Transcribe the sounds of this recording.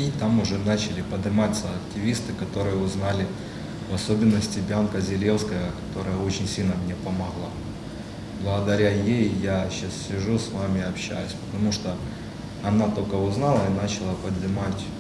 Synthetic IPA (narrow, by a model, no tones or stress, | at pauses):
it̪amʊʐɛnat͡ɕɪlʲɪpəd̪ɨmat̪səɐktʲɪvʲist̪ɨkɐt̪o̞ɾɨjəʊznalʲɪ | vɐsobʲɪnːəsʲtʲɪbʲankəzʲɪlʲe̞fskəjəkɐ̥t̪o̞ɾəjəo̞t͡ɕɪnʲsʲilʲnəmnʲe̞pəmɐɣlˠa | blˠəɣəd̪ɐɾʲajejjaɕassʲɪʐusvamʲɪɐpɕːæ̰jʊsʲpə̥t̪ɐmuʂt̪o | ɐnat̪o̞lʲkəʊznalˠəinat͡ɕɪlˠəpəd̪ɨmatʲ